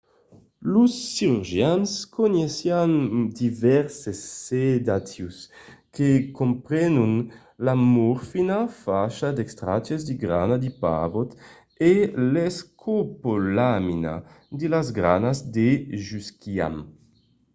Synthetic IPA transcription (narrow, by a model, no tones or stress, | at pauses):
lusːiɾyɾʒjanskonesjand̪ivɛɾsesːed̪at̪juskekompɾɛnun | lamuɾfinafaʃad̪ekst̪ɾa̰t͡ʃezd̪iɡɾa̰nad̪ipa̰vot̪ | eleskʰopolamina̰ | d̪elazɡɾa̰nazd̪eʒyskia̰m